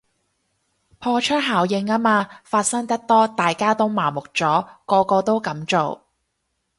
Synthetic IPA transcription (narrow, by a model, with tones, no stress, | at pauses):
pʰɔː˧t͡ʃʰɵ˥t̚ɦaː˨˩wjɪ˧ŋaː˥maː˧faː˧t̚sɐ˥ŋt̪ɐ˥k̚t̪ɔː˥t̪aː˨jkaː˥t̪o˥wmaː˨˩mʊ˨k̚t͡sɔː˨˥kɔː˧kɔː˧t̪o˥wkɐ˨˥mt͡so˨w